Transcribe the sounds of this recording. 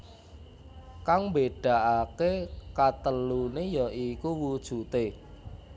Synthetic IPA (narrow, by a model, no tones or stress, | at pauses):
kaŋmbeɖ̥a̤ʔakekat̪əlunejɔʔikuwud̥ʒ̥ṳt̪e